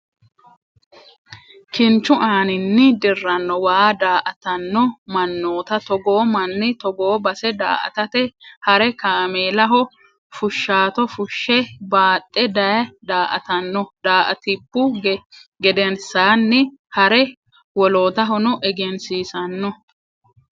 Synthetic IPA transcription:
kɪnt͡ʃːʊʔaːnɪnːɪd̪ɪrːɐnːɔwaːd̪aːʔɐt̪ɐnːɔmɐnːoːt̪ɐt̪ɔɡoːmɐnːɪt̪ɔɡoːbɐsɛd̪a̰ːʔɐ̰t̪ɐt̪ɛhɐɾɛkaːmeːlɐɦɔ | fʊʃːaːt̪ɔfʊʃːɛbaːt̪ʼːɛd̪ɐjɐd̪aːʔɐ̰t̪ɐnːɔd̪aːʔɐ̰t̪ɪpːʊɡɡɛd̪ɛnsaːnːɪ | hɐɾɛ | wɔlo̞ːt̪ɐɦɔnɔʔɛɡɛnsiːsɐnːɔ

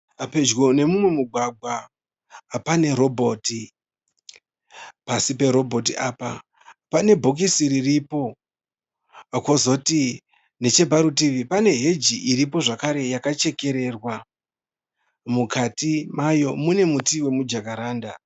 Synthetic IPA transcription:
ape̞d͡ʒɣo̞ne̞mumwe̞muɡʱwaɡʱwaː | pane̞ɾo̞bʱo̞ːti | pasipe̞ɾo̞bʱo̞tiʔaːpa | pane̞bʱok̬isiɾiripo̞ | kozo̞ti | ne̞t͡ʃe̞bʱaɾutiʋipane̞ɦe̞d͡ʒiʔiɾipo̞ʐakaɾe̞jakat͡ʃe̞ke̞ɾe̞rwa | mukatimajo̞mune̞mutiwe̞mud͡ʒakaɾaːnda̰

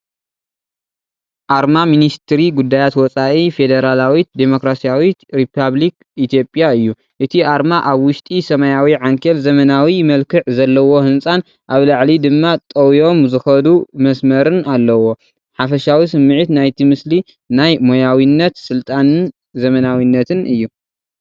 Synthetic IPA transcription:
ʔaɾmaminist̪ʰɾiɡud̪ːajat̪wɔt͡sʼaʔife̞d̪ɐɾalawid̪emo̞kɾasijawiɾipʰaβlik | it̪ʰjo̞pʼjaɨjːu | ʔɨt̪ʰiʔaɾmaʔaβwʊʃt̪ʼisɐmɐjawiʕaŋkʰɐlzɐmɐnawimɐlkʰɨʕzɐlːɐwo̞hɨnsʼan | ʔaβlaʕlid̪ɨmːat̪ʼɐwjo̞mzɨxɐd̪umɐsmɐɾɨnalːɐwo̞ | ħafɐʃawisɨmːɨʕɨt̪najt̪ʰimɨsli | najmojawinːɐt̪sɨlt̪ʼanɨn | zɐmɐnawinːɐt̪ʰɨnɨjːu

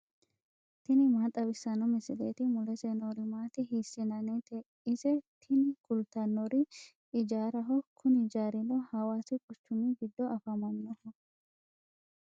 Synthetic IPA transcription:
t̪ɪnɪmaːt̪ʼːɐbɪsːɐnɔmɪsɪleːt̪ɪmʊlɛseːnɔɾɪmaːt̪ɪɦiːsːɪnɐnɛt̪ɛ | ɪsɛt̪ʰɪnɪɡʊlt̪ɐnːɔɾɪ | ɪd͡ʒaːɾɐɦɔkʰʊnɪd͡ʒaːɾɪnɔhɐwaːsɪkʼʊt͡ʃːʊmɪɡɪd̪ːɔɐfɐmɐnːɔhɔ

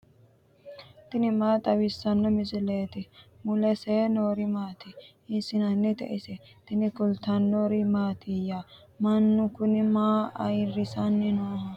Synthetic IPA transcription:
t̪ɪnɪmaːt̪ʼɐwɪsːɐnːɐmɪsɪleːt̪ɪmʊlɛseːnoːɾɪmaːt̪ɪ | ɪsɪnɐnːɛt̪ɛ̰ʔɪsɛ | t̪ɪnɪkʊlt̪anːoɾɪmaːt̪ʰɪja | mɐnːʊkʊnɪmaːɐ̰jɾɪsɐnːɪnoːhɐ

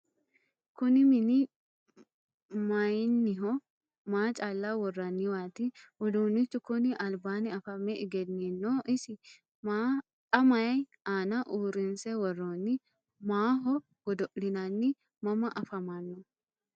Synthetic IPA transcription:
kʊnɪmɪnɪ | mɐjnːɪɦɔ | maːt͡ʃʼaːlːawɔrːɐnːɪwaːt̪ɪwɔd̪oːnːɪt͡ʃːʊkʊnɪʔɐlbaːnɪɐfɐmːɛʔɪɡɛnːinːoːʔɪsɪ | ma | kʼɐmɐjɐj | aːnɐʔuːɾɪnsɛwɔrːoːnːɪ | maːɦɔ | ɡ̥ɔd̪ɔʔlɪnɐnːɪ | mɐmɐʔɐfɐmɐnːɔ

